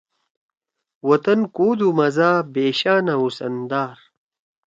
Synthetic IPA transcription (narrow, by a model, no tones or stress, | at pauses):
wɐt̪ɐnkuːd̪umɐzaːbeːɕaːnausɐ̰nd̪aːɾ